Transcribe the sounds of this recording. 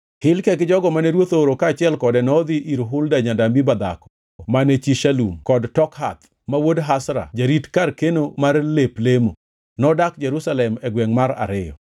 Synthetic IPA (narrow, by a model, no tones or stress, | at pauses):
hɪlkɛkɪd͡ʒɔɡɔmanɛɾwot̪oɾokaːt͡ʃɪɛlkɔdɛnɔd̪iʔiɾɦʊldaɲadamibad̪a̰kɔ̥ | manɛt͡ʃiʃalṵmkɔdtɔkhat̪ | mawodɦasɾa̰d͡ʒaɾitkarkenomarleplemo̰ | nɔdakd͡ʒɛɾusalɛmɛɡwɛŋmaɾa̰ɾɪjɔ̰